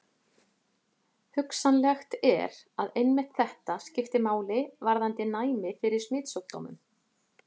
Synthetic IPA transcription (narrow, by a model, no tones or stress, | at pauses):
hʏksanlɛxt̪ɛ̰ɾaðejnmɛht̪θɛht̪ascɪft̪ɪmaːwlɪvaɾðant̪ɪnaːjmɪfɪɾɪɾ̥smɪːt̪sœk̚t̪ːo̰wmʏ̰m